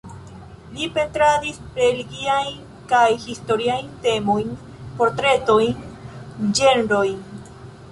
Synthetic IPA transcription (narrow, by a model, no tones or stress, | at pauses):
lipe̞nt̪ɾadisɾeliɡiajn | kajhist̪o̞ɾiajnt̪e̞mojn | po̞ɾt̪ɾe̞t̪ojn | d͡ʒe̞nɾojn